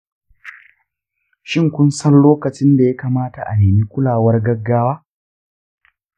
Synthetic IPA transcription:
ʃɪ˦ŋkʷʊ˦nsɐ˦nloː˦kɐ˨t͡ʃɪ˦nda˨ja˦kaː˨maː˦ta˨ʔa˨neː˨mi˦kʷʊ˦laː˨wɐ˦rɡɐ˦ɡːaː˦waː˦

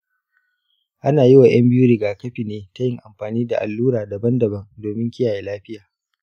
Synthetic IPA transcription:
ʔa˦naː˨ji˦wa˨j̰ɐ˦mbɪ˦juː˦ɾɪ˨ɡaː˨kɐ˦ɸi˨neː˦ta˦jɪ˦ŋʔa˨mɸaː˨niː˦da˨ʔa̰˨lːuː˦ɾaː˨da˨bɐ˦ndɐ˨bɐ˦ŋdoː˨mɪ˦ŋkʲɪ˦jaː˨jeː˨laː˦ɸɪ˦jaː˨

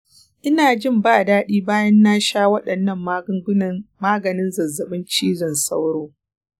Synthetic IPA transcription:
ʔɪ˦naː˨d͡ʒɪ˦˨mbaː˦˨daː˦ɗiː˦baː˦jɐ˦nːaː˦ʃaː˦wɐ˦ɗɐ˨nːɐ˦˨m˦ŋɡmaː˦ɡɐ˨nɪ˦nzɐ˨zːɐ˨ɓɪ˦nt͡ʃiː˦zɐ˨nsa˦wɽoː˦

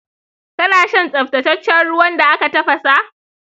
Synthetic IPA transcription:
kɐ˦naː˨ʃɛ˦nsʼɐ˨ɸtɐ˨tɐ˦t͡ʃːɐ˦nɽʊ˦wɐ˦nda˨ʔa˦ka˨tɐ˦ɸɐ˨sa˦ʔ

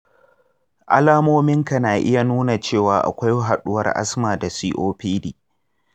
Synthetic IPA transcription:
ʔa̰˦laː˦moː˦mɪ˦ŋka˨naː˨ʔɪ˦ja˨nuː˦na˨t͡ʃeː˦˨waː˨ʔa̰˨kʷa˦jɦa˨ɗʊ˦wɐ̰˦rʔa̰˦smaː˨da˨siː˦ʔoː˦piː˦diː˨

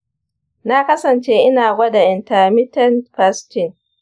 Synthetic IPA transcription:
na˦kɐ˦sɐ˨nt͡ʃeː˦ʔɪ˦naː˨ɡʷɐ˦da˨ʔɪ˨nta˨mɪ˦tɛ˦nɸa˦stɪ˦˨ŋ

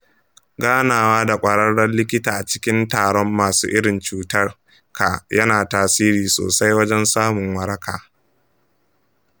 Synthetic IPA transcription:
ɡaː˦naː˨waː˦da˨kʷʼɐ˨ɽɐ˦ɽɐ˦nlɪ˦k̬ʲɪ˦taː˨ʔa˨t͡ʃɪ̥˦kʲɪ˦ntaː˨ɽɔ˦mːaː˨sṵː˦ʔɪ˦ɽɪ˨nt͡ʃuː˦tɐ˦r | ka˨jɐ˦naː˨taː˨siː˦ɾiː˨so̰ː˨sa˦jwɐ˦d͡ʒɛ˦nsaː˦mʊ˨ŋwɐ˦ɽɐ˦kʰaː˨

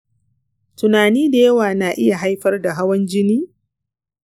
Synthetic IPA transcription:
tʊ˨naː˨niː˦da˨jɐ˦waː˨naː˨ʔɪ˦ja˨ɦa˦jɸɐ˦rda˨ɦa˦wɐ˦nd͡ʒɪ˦niː˦

